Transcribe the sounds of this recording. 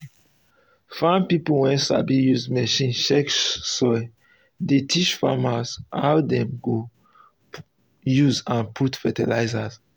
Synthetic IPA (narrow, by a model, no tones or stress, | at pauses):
fãnpipowɛ̃nsa̰bijuzmɛʃĩnʃɛksɔj | detʰit͡ʃfa̰masawdɛ̃mɡo | juzãnpʰutfɛtɛlaɪzas